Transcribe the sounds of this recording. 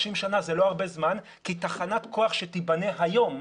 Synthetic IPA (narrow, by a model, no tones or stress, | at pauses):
ʃimʃanazelo̞aʁbe̞zman | kitaχanat̪kʰo̞aχʃetibane̞ɦajo̞m